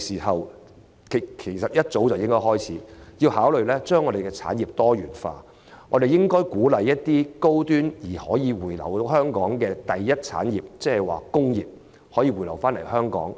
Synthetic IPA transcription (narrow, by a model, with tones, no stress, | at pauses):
siː˨˩hɐ˨w | kʰe˨˩kʰe˨˩jsɐ˨t̚jɐ˥t̚t͡so˨˥wt͡sɐ˨wjɪ˥ŋkɔː˥hɔː˥jt͡sʰiː˨˥jiː˧whaː˨˥wlɵ˨ɥlɛː˥t͡ʃœː˥ŋɔ˨˧ɾe˨jkɛ˧t͡sʰa̰ː˨˥njiː˨p̚t̪ɔː˥jyː˨˩nfa̰ː˧ | ŋɔː˨˧de˨jɪ˥ŋkɔː˥jkuː˨˥lɐ˨˧jːɐ˥t̚t̪iː˥ko˥wt̪yː˥njiː˨˩hɔː˨˥jiː˨˧wuː˨˩jlɐ˨˩whœː˥ŋkɔː˨˥ŋkɛː˧t̪ɐ˨jːɐ˥t̚t͡sʰa̰ː˨˥njiː˨p̚t͡sɛː˥hɛ˨˩jwa̰ː˨kʊ˥ŋjḭː˨p̚ | hɔː˨˥jiː˧wuː˨˩jlɐ˨˩wfaː˥nlɐ˨˩jhœː˥ŋkɔ̰ː˨˥ŋ